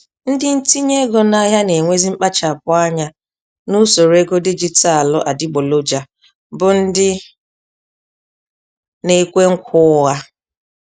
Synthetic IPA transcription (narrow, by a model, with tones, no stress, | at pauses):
n̩˦dɪ˦n̩˦ti˦ɲe˦ɡo˦na˦ɦja˦ne˨ŋʷe˦zi˦m̩˦k͡pa˦t͡ʃa˨p̚ʊ˦a˦ɲa˦ | nu˦so˨ɾe˦ɡo˦di˦d͡ʒi˦ta˦a˨lʊ˦ʔa˨dɪ˦ɡ͡bo˨lo˦d͡ʒa˨ | bʊ˦n̩˦dɪ˦ | ne˦kʷe˦ŋ̩˦kʷʰʊ˦ɣa˦